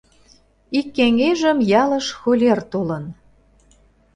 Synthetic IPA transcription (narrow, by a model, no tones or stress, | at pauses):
ikːeŋeʒəmjɑlə̆ʃxolʲert̪olə̆n